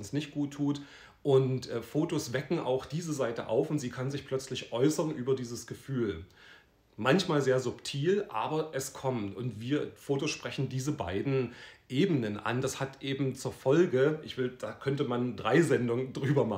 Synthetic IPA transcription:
ʊnsnɪçt̚ɡ̥uːtʰːuːt | ʔʊntʔɛːfoːtosv̥ɛkŋ̩ʔa̰ʊxd̥iːzəzaɪtəʔa̰ʊfʊntz̥iːkʰanzɪçpʰl̥œt͡slɪçʔɔʏsɐnʔyːbɐdiːzəsɡ̥əfyːl | mançmaːlzeːɐzʊptʰiːlʔa̰ːbɐʔɛskʰɔmtʊntv̥iːɐfoːtosʃpʁ̥ɛçn̩diːzəba̰ɪdn̩ʔeːbənənʔa̰ndashatʔeːbm̩t͡suːɐfɔlɡəʔɪçv̥ɪld̥aːkʰœntəmandʁaɪzɛndʊŋədʁyːbɐma

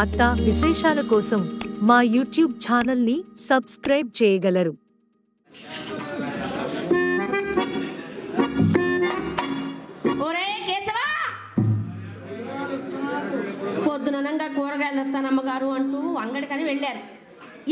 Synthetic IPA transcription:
ɐt̪ːɐʋiʃɛːʃaːlɐkɔːsɐmːaːjuːʈjuːb̚t͡ʃaːnɐlnisɐbskɾɐjb̚t͡ʃɛːjɐɡɐlɐɾu | oɾekeːsɐʋaː | pod̪ːunɐnɐŋɡaːkɔːɽɐɡɐɭd̪ɐst̪aːnɐmːɐɡaːɾuɐɳʈuːʋɐŋɡɐɽikɐniʋeɭːaːɾu

